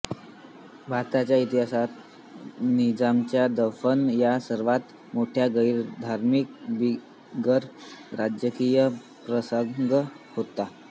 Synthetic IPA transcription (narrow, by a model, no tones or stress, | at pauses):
bʱaɾt̪at͡ɕjait̪iɦasat̪ | nid͡zamt͡ɕjad̪əfənjasəɾʋat̪ | moʈʰjaɡəjɾd̪ʱaɾmik̚bi | ɡəɾɾad͡ʑjəkijə | pɾəsəŋɡ | hot̪a